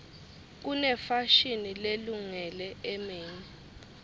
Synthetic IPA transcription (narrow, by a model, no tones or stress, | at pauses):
k̬unɛfaʃinileluŋɛlɛɛmeːɲi